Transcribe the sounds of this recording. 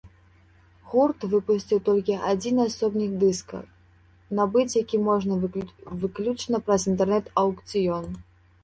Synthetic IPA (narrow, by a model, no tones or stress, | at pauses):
ɣurt̪vɨpusʲt͡sʲiwt̪ɔlʲkʲiad͡zʲinasɔbnʲixd̪ɨskɐ̰x | nabɨt͡sʲjakʲimɔʐnɐvɨklʲut͡ʂnɐpɾɐzint̪ɛrnɛt̪ɐwkt̪sʲɨjɔn